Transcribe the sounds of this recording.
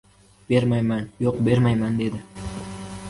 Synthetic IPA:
b̥e̞ɾmajmanjoqbe̞ɾmajmand̪e̞d̪ɪ

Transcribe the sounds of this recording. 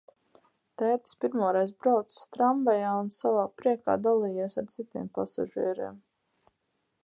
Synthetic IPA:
t̪ɛːt̪ə̥spiɾmuːɾɛjzbɾawt̪st̪ɾambajaːunsavaːpɾiɛka̰ːd̪alˠiːjiɛsaɾt̪sit̪iːmpasa̰ʒiɛɾḭːm

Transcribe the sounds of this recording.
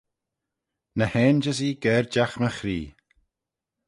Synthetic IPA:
nəhɛːnd͡ʒəziːɡɛːɹd͡ʒaxməxɾiː

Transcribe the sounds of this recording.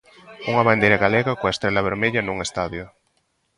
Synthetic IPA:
uŋaβand̪ejɾaɣaleɣakoaest̪ɾelaβ̞eɾmeʎanuŋest̪aðjʊ

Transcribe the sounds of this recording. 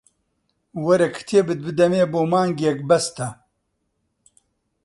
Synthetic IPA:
wɐɾɐkt̪ʰeːbɨt̪̚bɨd̪ɐmeːboːmaːŋɡjɛk̚bɐst̪ɐ

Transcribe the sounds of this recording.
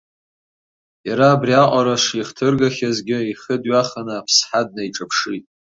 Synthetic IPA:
jaɾaːbriaʔʷʼaɾaʂiχtʰɨrɡaχʲazɡʲɪiχədɥaχanɨːpʰsħad̚najʈ͡ʂʼapʰʂitʼ

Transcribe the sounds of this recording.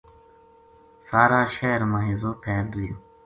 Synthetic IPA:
saːɾaːʃeːɾmãːɦĩːzoːpʰeːɾd̪ujuː

